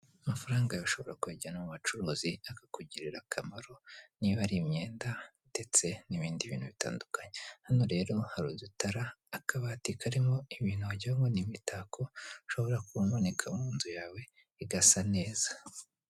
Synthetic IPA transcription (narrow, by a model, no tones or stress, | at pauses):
mafaɾaːŋɡajoʃo̞βo̞ɾakuweɟanamumat͡ʃuɾuːziakakuɟiɾiɾakʰamaɾo̞niβaɾimɲe̞ːnda | d̥e̞t͡se̞niβiːndiβḭːn̥huβita̰ːndukaɲehano̞ɾe̞ːɾo̞haɾudutaɾaːkʰaβaːtikaɾimo̞iβiːnhuaɟaŋɡonimitakʰo̞ʃo̞βo̞ɾakumone̞kʰamuːnzujaːwe̞ | iɡasane̞ːz̥ḁ